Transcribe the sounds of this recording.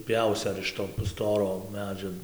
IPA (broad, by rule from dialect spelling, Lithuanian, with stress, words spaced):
ˈpʲjɛʊsʲɪ ɐr ɪʃ ˈtoː nʊ ˈstoːroː ˈmʲæːd͡ʒʲoː